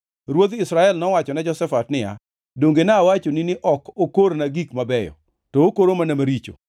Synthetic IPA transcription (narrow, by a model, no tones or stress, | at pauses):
ɾwod̪ɪsɾaɛlnɔwat͡ʃɔnɛd͡ʒɔsɛfatnɪja̰ | doŋɡenaːwat͡ʃoninɪʔɔkokoɾnaɡikmabɛjɔ̰ | tɔokoɾomanamaɾit͡ʃo̰